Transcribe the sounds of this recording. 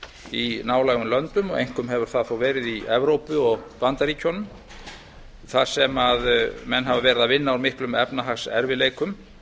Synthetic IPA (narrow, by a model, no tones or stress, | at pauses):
inaːwlaːɣʏmlœnt̪ʏmɔɣḛjŋ̥kʏmɦɛvʏɾ̥θaðθowvɛːɾɪðiɛvɾowpʏɔɣpant̪aɾicʰɔnʏm | θaðsɛmaðmɛnːɦavavɛːɾɪðavɪnːaawɾmɪhklʏmɛpnaɦaxsɛ̰ɾvɪleːjkʏm